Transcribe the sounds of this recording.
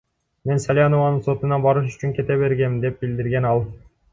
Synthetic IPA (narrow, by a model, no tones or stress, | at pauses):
me̞nsalʲjanovɑnɯnso̞t̪unɑbɑɾɯʃ̬yt͡ʃyŋkʲe̞t̪eβe̞ɾɡemd̪e̞p̚bild̪iɾɡe̞nɑlˠ